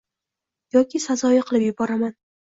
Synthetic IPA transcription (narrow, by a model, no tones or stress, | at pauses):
jɒkʲʰɪsazɒjaqʰɨlˠɪpjʊbɒɾaman